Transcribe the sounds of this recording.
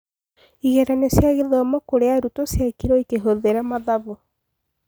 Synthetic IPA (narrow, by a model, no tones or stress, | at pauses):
iɣɛɾanesjaɣeðɔmɔkoɾeaɾutosjakiɾɔikeɦoðeɾamaðaβo